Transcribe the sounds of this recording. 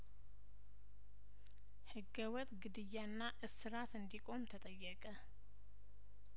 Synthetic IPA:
hɨɡːəwɔt̪ɡɨd̪ɨjːanːaʔɨsːɨɾat̪ɨnd̪ikʼo̞mt̪ʰət̪ʼəjːɛkʼə

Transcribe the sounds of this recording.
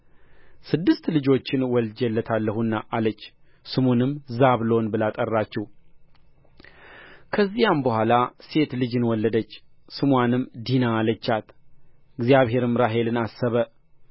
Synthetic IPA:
sɨd̪ːɨst̪lɨd͡ʒo̞t͡ʃːɪnwɔld͡ʒɛlːət̪ʰalːəhunːaʔalət͡ʃː | sɨmonɨmːzaβlo̞nbɨlat̪ʼərːat͡ʃːɛw | kʰəzːijambəhʷalase̞t̪lɨd͡ʒɨnwɔlːəd̪ət͡ʃːsɨmwanɨmːd̪inaːlət͡ʃːat̪ɪɡzjaβɦe̞ɾɨmɾaɦe̞lɨnasːəβə

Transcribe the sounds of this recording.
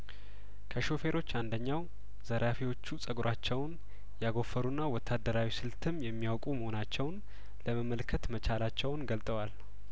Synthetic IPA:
kʰəʃo̞fe̞ɾʔo̞t͡ʃːand̪əɲːaw | zəɾafiwo̞t͡ʃːusʼəɡɾʔat͡ʃːɛwn | jaɡo̞fːəɾunːawɔt̪ʰːad̪ːəɾawisɨlt̪ʰɨmjɛmːijawkʼuməho̞nat͡ʃːɛwn | ləməməlkʰːət̪mət͡ʃʰalat͡ʃːɛwnɡəlt̪ʼəwal

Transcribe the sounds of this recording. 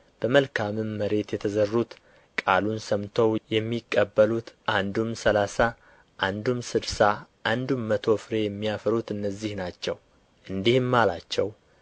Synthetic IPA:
b̥əməlkʰamɨmːəɾe̞t̪jɛt̪ʰəzərːut̪ | kʼalunsəmt̪ʰəwjɛmːikʼːəbːəlut̪ʔand̪umsəlasa | ʔand̪umsɨd̪saʔand̪umːət̪ʰo̞fɨɾe̞jɛmːijafəɾut̪ɨnːəzːihnat͡ʃːɛw | ʔɨnd̪ihmːalat͡ʃːɛw

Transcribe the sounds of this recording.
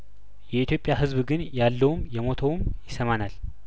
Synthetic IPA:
jɛit̪jo̞pʼjaɦɨzbɡɨnjalːəwumjɛmo̞t̪ʰəwmjɪsəmanal

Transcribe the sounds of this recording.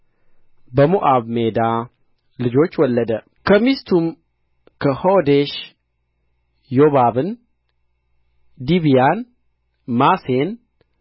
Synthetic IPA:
bəmuʔaβmed̪a | lɨd͡ʒo̞t͡ʃːwɔlːəd̪ə | kʰəmist̪ʰum | kʰəhod̪eʃ | joβabɨn | d̪iβijan | masen

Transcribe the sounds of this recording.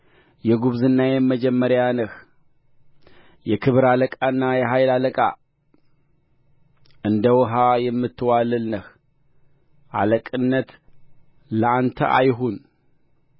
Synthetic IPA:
jɛɡuβzɨnːajɛməd͡ʒɛmːəɾjanəh | jɛkʰɨβɨɾaləkʼaɨnːajɛɦajlaləkʼa̰ | ʔɨnd̪əwɨɦajɛmːɨt̪ʰːɨwalɨlnəh | ʔa̰ləkʼɨnːət̪ | ləant̪ʰə̰ʔa̰jɦun

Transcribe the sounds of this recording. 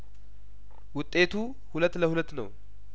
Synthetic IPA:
wʊt̪ʼːe̞t̪ʰu | hulət̪ːləhulət̪ːnəw

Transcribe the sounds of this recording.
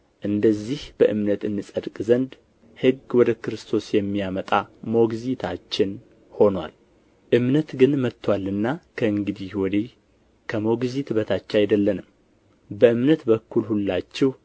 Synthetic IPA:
ʔɨnd̪əzːihb̥əʔɨmnət̪ɨnːɨsʼəd̪kʼzənd̪ | hɨɡwɔd̪əkɨɾɨst̪ʰo̞sjɛmːijamət̪ʼamo̞ɡzit̪ʰat͡ʃːɪn | ho̞nwa̰l | ʔɨmnət̪ɡɨnmət̪ʰːwalːɨnːakʰəɨŋɡɨd̪ihwɔd̪e | kʰəmo̞ɡzit̪bət̪ʰat͡ʃːajd̪əlːənɨm | bəɨmnət̪bəkʰːulhulːat͡ʃːɛw

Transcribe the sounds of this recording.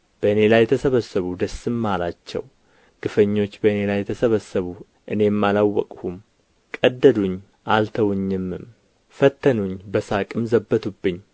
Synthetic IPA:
b̥əɨne̞lajːɛt̪ʰəsəβəsəβud̪əsːɨmːalat͡ʃːɛ̰w | ɡ̥ɨfəɲːo̞t͡ʃːbəɨne̞lajɛt̪ʰəsəβəsːəβu | ʔɨne̞mːalawːəkʼhum | kʼəd̪ːəd̪uɲː | ʔalt̪ʰəwɲːɨmːɨm | fət̪ʰːənuɲbəsakʼɨmzəbːət̪ʰubːɨɲː

